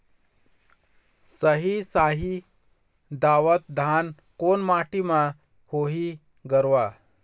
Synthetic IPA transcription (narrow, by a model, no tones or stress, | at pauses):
səɦisaːɦi | d̪aːʋət̪̚d̪ʱan | koːnmaːʈimã | hoːɦi | ɡəɾʋa